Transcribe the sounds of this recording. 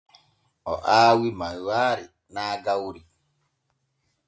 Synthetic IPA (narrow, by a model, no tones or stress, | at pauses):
ʔɔʔaːwimajwaːɾi | naːɡawɾi